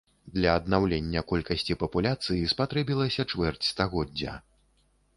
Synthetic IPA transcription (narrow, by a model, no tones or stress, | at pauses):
d̪lʲɐːd̪nawlʲenʲːɐkɔlʲkɐsʲt͡sʲipɐpulʲat̪sɨjispat̪ɾɛbʲilˠɐsʲɐt͡ʂvɛrt͡sʲst̪aɣɔd͡zʲɐ̰